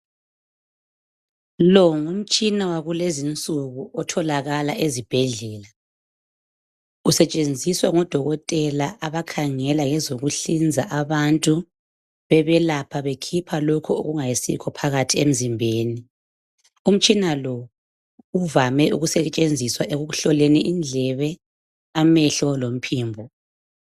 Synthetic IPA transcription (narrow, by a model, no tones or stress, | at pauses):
lɔŋum̩t͡ʃʼinawaɣulezint͡sʼuɣuʔɔtʰɔlaɣalaʔezib̥ʱɛɮɛːla | usɛt͡ʃʼend͡zʱiswaŋɔd̥ʱɔɣɔtʼɛlaʔaβakʰaŋɛlaŋɛzoɣuɬind͡zʱaʔaβantʼu | βɛβɛlapʰaβekʰipʰalokʰuo̰ɣuŋajisḭkʰɔpʰaɣatʰiem̩zimbʱeːni | um̩t͡ʃʼinalɔ | uvamɛuɣusɛt͡ʃʼend͡zʱiswaʔeɣuɣuɬɔlɛnɛʔind͡ɮʱɛβɛ | amɛɬɔlom̩pʰiːmbʱɔ